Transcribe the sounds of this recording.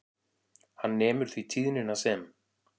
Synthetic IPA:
hanːɛːmʏɾ̥θvit̪ʰiːðnɪnasɛːm

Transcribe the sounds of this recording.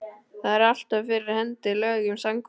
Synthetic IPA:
θaðɛɾal̥t̪avfɪɾɪɾhɛnt̪ɪlœːɣʏmsaŋk

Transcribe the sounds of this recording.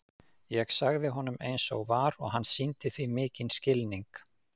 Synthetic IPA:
jɛɣsaɣðɪɦɔnʏmejnsɔ̰ɣvaɾɔɣɦanːsint̪ɪθvimɪːcɪnscɪlniŋk

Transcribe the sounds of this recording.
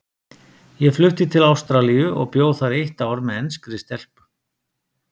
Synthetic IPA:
jɛflʏht̪ɪt̪ʰɪlawst̪ɾalijʏʔɔ̰ɣpjoːwθaɾejht̪aːwɾmɛðɛnskɾɪst̪ɛl̥p

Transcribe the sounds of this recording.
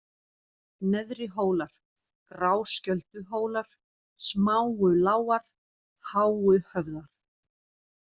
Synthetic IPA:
nɛðɾɪɦoːwlaɾ̥ | kɾaːwscœlt̪ʏɦoːwlaɾ̥ | smaːwʏlaːwaɾ̥ | haːwʏhœvðaɾ̥

